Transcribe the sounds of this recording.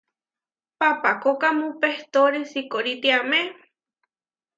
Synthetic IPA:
papakokamũpeht̪oɾesikoɾit̪iamẽ

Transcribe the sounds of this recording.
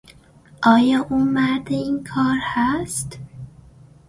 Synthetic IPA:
ʔɒːjɒːʔuːmæɾd̪eiːnkʰɒːɾhæst̪

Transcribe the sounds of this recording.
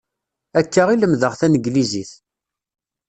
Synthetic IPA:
ækːəʁiləmðəʁθænəɡliziθ

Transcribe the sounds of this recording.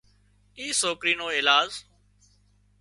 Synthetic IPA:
iːsoːkɾiːnoːɪːlaːz

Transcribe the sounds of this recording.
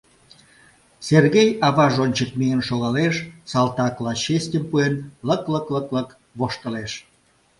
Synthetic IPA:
serɣejɑβɑʒonʲt͡ɕəkmiənʃoɣɑleʃsɑlt̪ɑklɑɕesʲtʲəmpuenləkləkləklək | βoʃt̪ə̆leʃ

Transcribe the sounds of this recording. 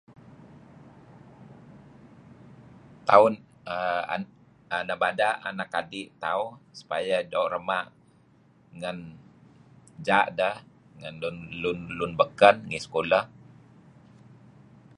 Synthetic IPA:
t̪aun | əa̰ | anabadaʔanakadiʔt̪aunsu̥pajadowʔrəmaʔ | ŋən | d͡ʒaʔdəh | ŋənlunlunlunbəkənŋisə̥koləh

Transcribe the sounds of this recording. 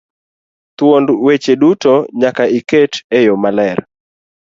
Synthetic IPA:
t̪wondwet͡ʃedutoɲakaiketejomalɛɾ

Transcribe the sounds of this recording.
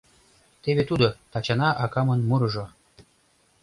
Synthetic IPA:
t̪eβet̪ud̪ŏt̪ɑt͡ɕɑnɑʔɑkɑmɤ̆nmɯɾɤ̆ʒɤ̆

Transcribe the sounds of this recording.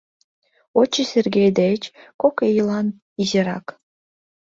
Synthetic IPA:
ot͡ɕːesʲerɡʲejd̪et͡ɕkokejilˠɑn | izeɾɑ̰k

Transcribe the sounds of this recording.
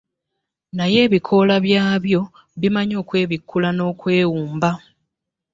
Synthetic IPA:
naje̞ːβikʰo̞ːlaβjaːβjo̞ | βimaɲo̞ːkwe̞ːβikʰːulano̞ːkwe̞ːwuːmba

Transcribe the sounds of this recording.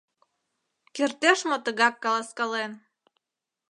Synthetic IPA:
kert̪eʃmot̪əɣɑkːɑlɑskɑlen

